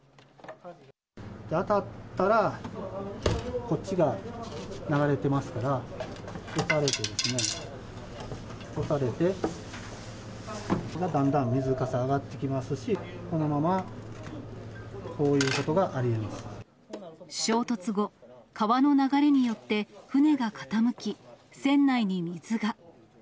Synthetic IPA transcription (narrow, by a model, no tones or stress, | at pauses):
d̪at̪at̪ːaɾa | ko̞t͡ɕːiɡa | naɡaɾe̞t̪e̞masɨ̥kaɾa | o̞saɾe̞t̪e̞d̪e̞sɨne̞ | osaɾe̞t̪e̞ | ɡad̪ãnd̪ãmːʲizɨkasaːɡat̪ːe̞kʲimasɨɕiko̞no̞mama | ko̞ːjɯ̟ːko̞t̪o̞ɡaʔaɾʲiemasɨ̥ | ɕo̞ːt̪o̞t͡sɨɡo̞kaβano̞naɡaɾe̞ɲ̟ijo̞t̪ːe̞ɸɯ̟ne̞ɡakḁt̪amɯ̟kʲisẽ̞nːaiɲ̟imʲizɨɡa